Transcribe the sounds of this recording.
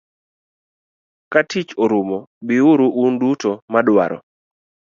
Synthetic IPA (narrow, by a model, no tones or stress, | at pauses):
katit͡ʃɔɾumɔbiuɾuʔundutomadwa̰ɾɔ̰